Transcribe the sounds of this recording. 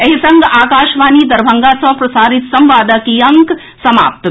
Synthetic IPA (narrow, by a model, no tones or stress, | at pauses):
ɐɦisɐŋɡaːkaːʃʋaːniːd̪ɐɾbʱɐŋɡaːsɐ̃pɾɐsaːɾit̪sɐmʋaːd̪ɐkijɐŋk | sɐma̰ːp̚t̪